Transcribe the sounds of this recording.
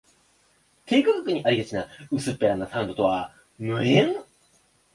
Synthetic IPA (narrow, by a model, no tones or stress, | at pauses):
k̪e̞ːkokakɯ̟ɲ̟iʔaɾiɡat͡ɕinaɯ̟sɨpːeɾanːasãnd̪o̞t̪o̞βa | mɯ̟ẽŋ